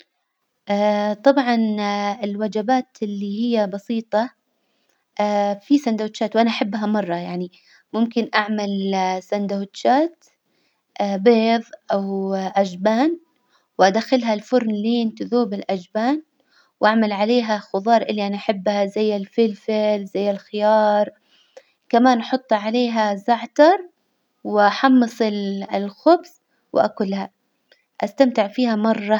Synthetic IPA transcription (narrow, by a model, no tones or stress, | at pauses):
ʔaːt̪ˤɑbʕɑnɪlwad͡ʒabaːt̪ɪlːihɪjːabɑsiːt̪ˤɑ | ʔaːfisand̪at̪ʃaːt̪wʔanaʔaħabːɦamɑrˤːɑjaʕni | mʊmkɪnʔaʕmalsand̪awt̪ʃaːt̪ | ʔbeːðˤʔawʔad͡ʒbaːn | wʔad̪axɪlɦalfʊɾnliːnt̪ʊðuːbɪlʔad͡ʒbaːn | wʔaʕmalʕaleːɦaxʊðˤɑːɾˤʔɪlːiʔanaʔaħɪbːhazajːɪlfɪlfɪlzajːɪlxɪjɑːɾˤ | kamaːnʔɑħʊt̪ˤːɑʕaleːɦazaʕt̪ɑɾˤ | wɪʔaħɑmːɨsˤɪllxʊbs | wɪʔa̰kʊlːha | ʔast̪amt̪ɪʕfiːhamɑrˤːɑ